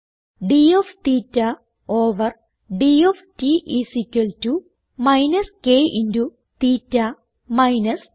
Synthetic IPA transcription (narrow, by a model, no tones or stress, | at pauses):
ɖioft̪iːtːɐ | oːʋɐr | ɖioftiʔisikʲːɐltu | mɐjnɐskeːʔindu | t̪iːtːa | mɐjnɐs